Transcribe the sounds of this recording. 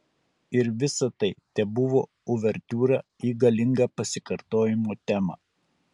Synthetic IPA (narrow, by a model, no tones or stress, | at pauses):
ɪɾʋʲɪsɐt̪ɐɪt̪ʲɛbʊʋoː | ʊʋʲɛɾʲt̪ʲuːɾɑiːɡɐlʲɪŋɡɐpɐsʲɪkɐɾt̪oːjɪmoːt̪ʲæːmɐ̰ː